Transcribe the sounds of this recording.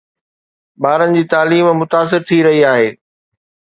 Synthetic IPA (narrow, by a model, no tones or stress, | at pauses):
ɓaːɾənɪ̆d͡ʑiːt̪aːliːmmʊt̪aːs̬ɪɾt̪ʰiɾɐɦiaːɦeː